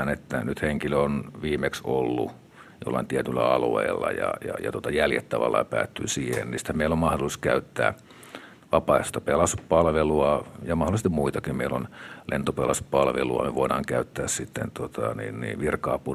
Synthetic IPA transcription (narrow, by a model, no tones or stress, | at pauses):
net̪ːænyt̪heŋkiløonʋiːmeksolːṵ | jo̰lːɑint̪iæt̪ylːæɑluḛːlːɑ̰jɑ̰jɑ̰jɑ̰t̪uot̪ɑjæljḛt̪ːæʋɑ̰lːɑjɑpæ̰ːt̪ːyːsiːhḛnnisi̥t̪hæmmeilːommɑhdoliskæyt̪ːæ̰ː | ʋɑpɑest̪ɑpelɑspɑlʋeluɑjɑmɑhdolˑist̪immuit̪ɑkimmeilonlʔent̪opelɑspɑlʋeluɑ̰meʋoiɾɑːŋkæyt̪ːæːssit̪ːent̪ot̪ʰɑnḭːnnḭːʋirkɑːpu